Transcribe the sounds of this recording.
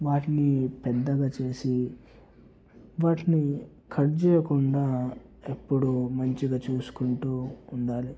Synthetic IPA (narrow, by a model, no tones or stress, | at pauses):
ʋaːʈinipɛd̪ːɐɡaːt͡ʃe̞ːsi | ʋaːʈini | kʰɐɾd͡ʒɛːjɐkuɳɖaː | epːuɽumɐɲt͡ʃiɡaːt͡ʃuːsu̥kuɳʈuːɳɖaːli